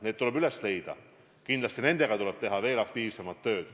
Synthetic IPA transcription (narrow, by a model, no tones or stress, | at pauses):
neːt̪t̪ːulebylesle̞jd̪ɑ̰ | kind̪lɑst̪ine̞nd̪̥e̞ɡ̥ɑt̪uleb̥̚t̪e̞ɦɑve̞ːlɑk̚t̪iːvse̞mɑt̪ːø̞ːd̪̥